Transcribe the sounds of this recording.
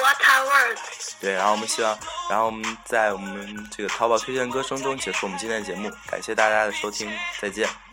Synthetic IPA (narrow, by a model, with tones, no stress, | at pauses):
a˥t̪ʰa˥˧wə˥˩t̪we˥˩ɪɻa˧˥xo˩ʊwɔ˨˩ə˦ɕi˥wɑ˥˧ŋɻa˧˥xo˥˩ʊwɔ˨˩mə˦nt͡sa˥˩ɪwɔ˨˩mə˦nʈ͡ʂɤ˥˩ɡə˩t̪ʰɑ˧˥ʊpɑ˨˩ʊtʰɥɛ˥t͡ɕjɛ˥˩nkɤ˥ʂɤ˥ŋʈ͡ʂʊ˥ŋ˩t͡ɕjɛ˧˥ʂwm˦t͡ɕi˥˧nt̪ʰɛ˥˩nə˩t͡ɕjɛ˧˥mu˥˩ka̰˨˩nɕjɛ˥˧t̪a˥˩t͡ɕja˥d̪ə˨ʂo˥ʊt̪ʰi˥ŋt͡sa˥˧ɪt͡ɕjɛ˥˩n